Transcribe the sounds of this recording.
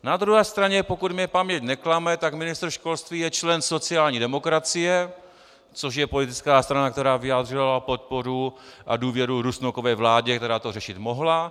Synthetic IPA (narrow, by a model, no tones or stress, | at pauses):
nad̪ɾuɦɛːst̪ɾaɲɛpo̞kut̪mɲɛpamɲɛcnɛklamɛt̪akmɪnɪst̪ɾ̩ʃko̞lst̪viːjɛt͡ʃlɛnso̞t͡sɪaːlɲiːdɛmokɾat͡sɪjɛ | t͡soʃ̬jɛpo̞lɪt̪ɪt͡skaːst̪ɾanakt̪ɛɾaːvɪjaːd̪r̝ɪlapot̪̚poɾuʔa̰duːvjɛɾuɾusnokovɛːvlaːɟɛk̚t̪ɛɾaːt̪orɛʃɪt̪moɦla